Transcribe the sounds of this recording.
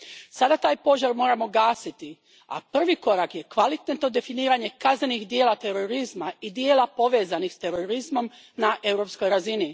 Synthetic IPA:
sad̪at̪aːjpo̞zaɾmo̞ːɾamo̞ɡaːsit̪i | a̰pr̩ʋiko̞ɾakje̞kʋalit̪net̪no̞d̪e̞finiːɾaɲe̞kazneniɣd̪je̞ːlat̪e̞ɾo̞ɾizmaid̪je̞ːlˠapo̞ʋe̞ːzanixst̪e̞ɾoɾizmo̞m | naʔe̞wɾopsko̞jɾazini

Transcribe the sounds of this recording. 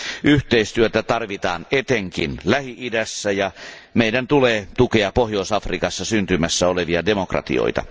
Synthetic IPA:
ʔyht̪eist̪yøt̪æt̪ɑrʋit̪ɑːnet̪eŋkḭnlæhiʔidæsːæjɑ | meidænt̪uleːt̪ukeɑpohjoˑisɑfrikɑsːɑsynt̪ymæsːæoleʋiɑdemokrɑ̰t̪ḭo̰it̪ɑ̰

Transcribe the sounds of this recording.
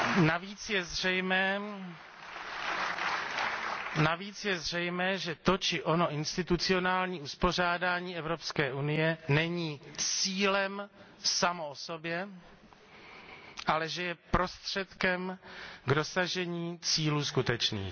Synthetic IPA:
naviːt͡sjɛzrɛjmɛː | naviːt͡sjɛzr̝ɛjmɛːʒɛt̪o̞t͡ʃɪʔono̞ʔɪnst̪ɪt̪ut͡sɪo̞naːlɲiːuspo̞r̝aːdaːɲiːɛvɾo̞pskɛːʔunɪjɛnɛɲiːt͡siːlɛm | samooso̞bjɛ | ʔalɛʒɛjɛpɾo̞st̪r̝̥ɛt̪kɛmɡdo̞saʒɛɲiːt͡siːluːskut̪ɛt͡ʃnḭːx

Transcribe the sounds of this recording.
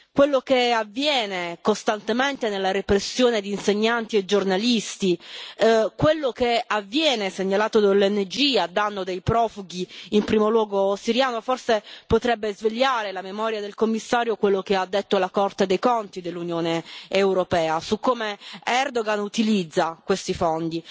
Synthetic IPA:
kwelːokeavːjɛːnekost̪ant̪ement̪enelːaɾepɾesːjoːned̪iːnseɲːant̪ied͡ʒornalist̪i | kwelːokeavːjɛːneseɲːalaːt̪od̪alːɛnːed͡ʒiad̪ːanːod̪ejpɾɔːfuɡiimpɾiːmolwɔːɡosiɾjaːnoforsepot̪ɾɛbːezveʎːaːɾelamemɔːɾjad̪elkomːisːaːɾjokwelːokead̪ːet̪ːolakɔrt̪ed̪ejkont̪id̪elːunjoːneːwɾopɛːasukːoːmeɛrd̪oɡanut̪ilid̪zːakwest̪ifond̪i

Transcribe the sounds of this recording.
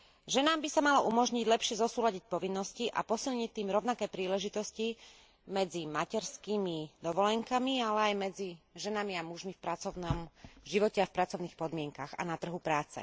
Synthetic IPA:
ʒɛnaːmbisamalɔumɔʒɲiɟlɛpʃɪɛzɔsuːlaɟic̚pɔʋinːɔsciʔa̰pɔsilɲict̪ːiːmɾɔʊnakɛːpɾiːlɛʒit̪ɔsci | mɛd͡zimacɛɾskiːmid̪ɔʋɔlɛŋkamialɛajmɛd͡ziʒɛnamiamuʒmifpɾat͡sɔʊnɔmʒiʋɔcɛafpɾat͡sɔʊniːxpɔd̪mɪɛŋkaɣa̰nat̪r̩ɦupɾaːt͡sɛ̰

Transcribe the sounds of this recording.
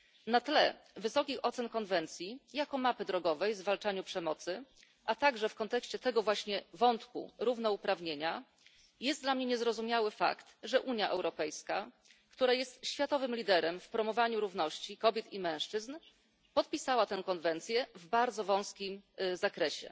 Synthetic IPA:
nat̪lɛ̰vɘsɔkʲixɔt̪sɛnkɔnvɛnt̪sʲjijakɔmapɘd̪ɾɔɡɔvɛjzvalt͡ʂaɲupʂɛmɔt̪sɘ | ʔat̪aɡʐɛfkɔnt̪ɛkɕt͡ɕɛt̪ɛɡɔvwaɕɲɛvɔnt̪kṵɾuvnɔupɾavɲeɲa | jɛst̪d̪lamɲɛɲɛzɾɔzumʲjawɘfa̰kt̪ʐɛʔuɲjaʔɛwɾɔpɛjska | kt̪uɾajɛst̪ɕfʲjat̪ɔvɘmlʲid̪ɛɾɛmfpɾɔmɔvaɲuɾuvnɔɕt͡ɕikɔbʲjɛt̪imɛ̃w̃ʂt͡ʂɘzn | pɔt̪̚pʲisawat̪ɛw̃kɔnvɛnt̪sʲjɛvbaɾd̪zɔvɔ̃w̃skʲimzakɾɛɕɛ̰

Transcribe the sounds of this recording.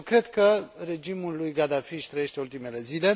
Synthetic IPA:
kɾe̞d̪kəɾe̞d͡ʒimulːujɡad̪afiʃt̪ɾəje̞ʃt̪e̞ult̪ime̞le̞zile̞

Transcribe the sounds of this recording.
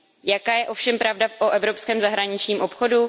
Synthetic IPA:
jakaːjɛʔo̞fʃɛmpɾavdafʔoʔɛvɾo̞pskɛːmzaɦɾaɲɪt͡ʃɲiːmʔo̞pxo̞du

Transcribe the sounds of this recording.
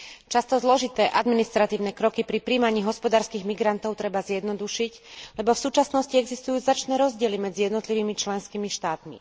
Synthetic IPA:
t͡ʃast̪ɔzlɔʒit̪ɛːʔad̪minist̪ɾat̪iːʊnɛkɾɔkipɾipɾiːmaɲiːɦɔspɔd̪aːɾskiɣmiɡɾant̪ɔʊt̪ɾɛbazɪjɛd̪nɔd̪uʃiclɛbɔfsuːt͡ʃasnɔsciɛɡzist̪ujuːzat͡ʃnɛːɾɔzɟɪɛlimɛd͡zijɛd̪nɔt̪liʋiːmit͡ʃlɛnskimiʃt̪aːt̪mḭ

